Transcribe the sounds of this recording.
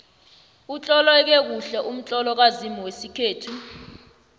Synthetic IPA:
ut͡ɬʼɔlɛk̬ɛk̬uɬɛʔum̩t͡ɬʼɔlɔk̬azimɔwesikʰeːtʰu

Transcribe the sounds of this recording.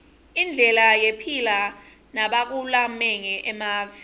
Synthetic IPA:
ind͡ɮʱɛlajepʰila | naɓak̬ulamɛŋɛʔɛmaːv

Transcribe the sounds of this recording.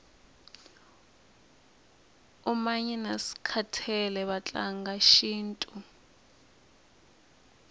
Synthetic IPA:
umaɲɛnasi̥kʰatʰɛlɛβat͡ɬʼaŋɡaʃiːntʼu

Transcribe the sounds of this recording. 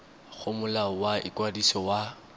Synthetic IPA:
ɣʰʊmʊlawaʔɪ̰kwadisɔwa

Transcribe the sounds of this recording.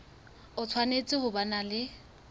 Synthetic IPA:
ʊt͡sʰwanet͡sʼɪhʊbanalɪ

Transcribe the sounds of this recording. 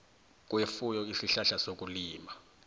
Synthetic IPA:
k̬ʼwefujɔisiɬaɬasok̬ʼuliːma

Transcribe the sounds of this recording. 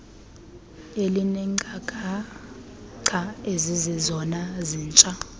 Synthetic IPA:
elinɛŋ͡ǃʱakʼa | ǀʰaezizizɔnaziːnt͡ʃʼa

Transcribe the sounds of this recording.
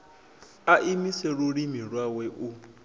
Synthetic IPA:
aʔimisɛɺuɺimiɺwawɛʔu

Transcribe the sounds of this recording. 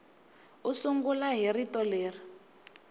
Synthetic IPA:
usuŋɡulaɦiɾitɔleːri

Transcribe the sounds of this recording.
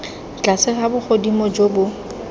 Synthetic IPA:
t͡ɬasɪχabʊk͡xʰodimɔd͡ʒobʊ

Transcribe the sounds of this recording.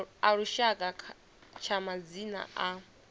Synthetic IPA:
aɺuʃakʼa | t͡ʃʰamad͡zina̰ʔa

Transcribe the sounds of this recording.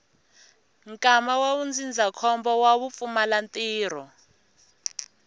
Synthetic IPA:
ŋkʼamawawund͡zʱind͡zʱakʰɔmbɔwaβup̪fumalant̪ʼiːr̤ɔ

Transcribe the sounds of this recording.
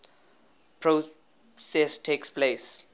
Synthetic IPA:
pʰɾo | sɛsʈʰeːkspleːs

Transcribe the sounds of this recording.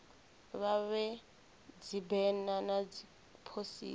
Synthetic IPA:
βaβɛ | d͡zibɛnanad͡zi | pʰosḭː

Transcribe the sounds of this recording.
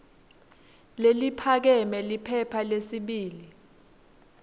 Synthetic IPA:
lelipʰak̬ɛmɛlipʰɛpʰalesiɓiːli

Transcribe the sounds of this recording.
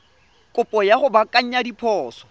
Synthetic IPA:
kʼʊpʼɔjaχʊbakʼaɲ̩ɲadipʰɔːsɔ̥

